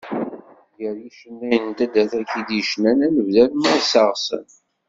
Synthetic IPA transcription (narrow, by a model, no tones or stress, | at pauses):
jəɾjiʃənːæjənt̪æd̪æθækːid̪əʃnænænəvðælməðsɑʁsə̰n